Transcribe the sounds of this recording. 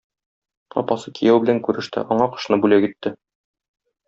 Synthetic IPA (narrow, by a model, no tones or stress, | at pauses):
ɒ̰pɑsɤkijæwbɘ̆læŋkʉɾɘ̆ʃt̪ɘ̰ʔɒɴɑqɤ̥̆ʃnɤbʉlækit̪ːɘ